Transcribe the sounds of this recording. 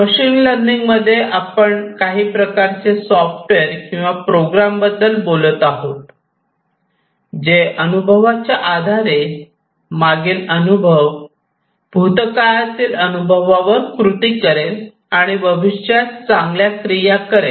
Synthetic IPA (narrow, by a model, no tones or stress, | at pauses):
məɕiːnləɳɖiŋɡməd̪ʱːjeʔapəɳkaɦiːpɾəkaɾt͡sesɔfʈʋeɾkĩw̃ʋapɾoɡɾambəd̪ːəlbolət̪aɦot̪ | d͡ʑeʔənubʱəʋat͡ɕjaʔad̪ʱaɾe | maɡelənubʱəʋ | bʱut̪kaɭat̪iːlənubʱəʋaʋəɾkɾut̪iːkəɾel | aɽ̃iʋəʋiɕjat͡sãŋɡljakɾijakəɾe